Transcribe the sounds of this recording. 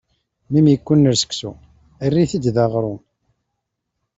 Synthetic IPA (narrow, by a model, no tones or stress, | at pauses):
mimjəkʷːʊnːəɾsə̥ksṵ | ərːiθid̪ðɑʁɾˤun